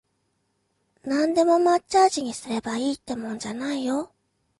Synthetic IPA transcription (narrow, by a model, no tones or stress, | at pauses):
nãnd̪e̞mo̞matːaːʑiɲ̟isɨɾe̞baiːt̪ːe̞mõ̞ɲ̟d͡ʑanaijo̞